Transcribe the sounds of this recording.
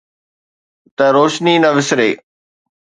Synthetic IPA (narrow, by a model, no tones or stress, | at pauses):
t̪ɐɾoːʃniːnɐʋɪsɾeː